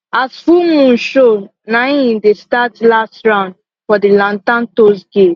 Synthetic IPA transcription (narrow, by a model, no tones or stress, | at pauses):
asfumũnʃo | nãɪĩndestatlastɹãʊ̃nd | fɔdilãntãntosɡet